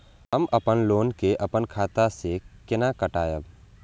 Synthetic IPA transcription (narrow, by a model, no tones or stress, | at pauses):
əmʔɐpənloːnkeʔɐpənkʰaːt̪asekɪnakəʈaːjəb